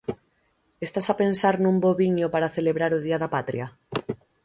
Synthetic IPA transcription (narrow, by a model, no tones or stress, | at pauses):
est̪asapensaɾnũmboβiɲopaɾaθeleβɾaɾʊð̞iaðapat̪ɾja